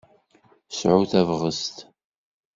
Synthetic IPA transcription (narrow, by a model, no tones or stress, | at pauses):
sʕʊθævʁəst̪